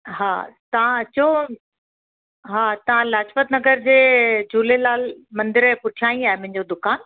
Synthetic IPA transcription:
ɦa̰ːt̪ɐʋãɐt͡ɕo | ɦaːt̪ɐʋ̤ãlaːt͡ɕfət̪nɐɡəɾd͡ʑeːt͡ɕuːlelaːlmɐ̃nd̪ɪɾpʊʈʰijaːĩaːɦemɐ̃ɦɪ̃ɲd͡ʑod̪ʊkaːn

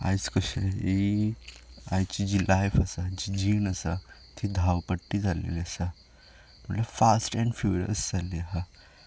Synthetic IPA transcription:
a̰jt͡skəɕei | ajt͡ɕid͡ʑilajfəsat͡ɕid͡ʑiːnəsat̪ʰid̪ʱawpəʈːid͡zalḛliəsa | m̤əʈləbfasʈɛ̃ɳɖfjuːɾiə̰sd͡zaliɦa

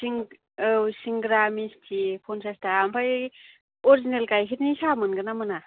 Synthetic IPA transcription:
siŋ | wsiŋɡɾamistʰipʰonsʰastaːmpʰaj | oɾizinelkajkʰitnisamɯnɡɯnamɯna

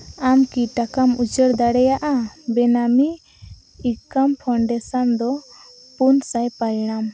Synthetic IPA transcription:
amkiʈakamud͡ʒəɾd̪aɽɛjaʔabɛnamiː | kampʰɔɳɖɛsand̪ɔ | punsajpalnam

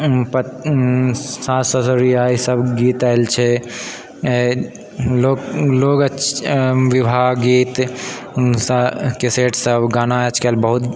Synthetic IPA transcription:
pə | sãsəsoɾiaisəbɡiːt̪aɪlt͡ʃʰɛ | loklokə | ʋibʱaɡiːt̪ | skeseʈsəbɡaːnaət͡ʃkelbəɦut̪

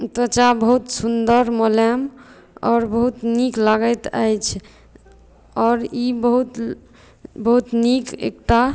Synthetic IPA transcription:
t̪ət͡ʃabəɦut̪sund̪əɾmolɛm | ɔːɾbəɦut̪niklaɡət̪ə̰jt͡ʃʰ | ɔːɾibəɦut̪ | bəɦut̪nikḛk̚ʈa

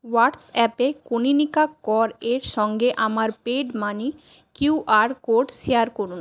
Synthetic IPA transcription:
waʈsɛpekoninikakːɔɾeɾʃɔŋɡeʔamaɾpeɖmani | kjuʔaɾkoɖʃijaɾkoɾun

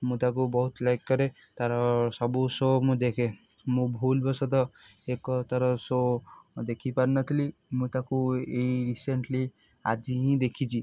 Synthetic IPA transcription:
mũt̪akubɔɦut̪lajkːɔɾe | t̪aɾɔsɔbusomũd̪ekʰe | mũbʱulbɔsɔt̪ɔekɔt̪aɾɔsod̪ekʰipaɾnɔt̪ʰilimũt̪akueiɾiseɳʈli | a̰d͡ʒiĩd̪ekʰit͡ʃʰi

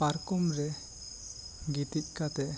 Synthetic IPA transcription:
paɾkɔmɾɛ | ɡit̪it̪̚ˀkat̪ɛʔ

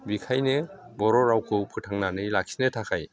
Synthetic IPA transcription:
bikʰajnɯ | bɔɾɔɾawkʰɯpʰɯtʰaŋnanɯjlak̚sinɯtʰakʰaj

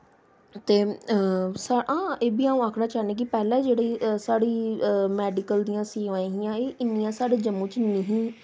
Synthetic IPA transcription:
t̪eː | saʔãːeːbiːaːũːaːkʰnaːt͡ʃaːnẽːk̬ɪpɛːlɛ̃ːd͡ʒeːɽeːsaːɽiːmɛːɖɪkəld̪iːãːsĩːaːĩːɦijãːeːʔɪnːijãːsaːɽeːd͡ʒəmːũːt͡ʃnəɦĩː

